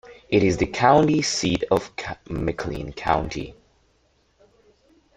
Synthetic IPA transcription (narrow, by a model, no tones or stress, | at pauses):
ɪɾɪzðɨkʰãʊ̃ntisiɾʌv̥ʰmɪkʰlḭ̃nkʰã̰ʊ̃ntʰḭ